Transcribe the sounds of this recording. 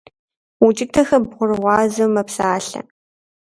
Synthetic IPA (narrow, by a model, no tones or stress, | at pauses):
wʊt͡ʃʼɪtʰɐxɐbʁʷʊrɨʁʷɑːzɐmɐpsaːɬɐ̰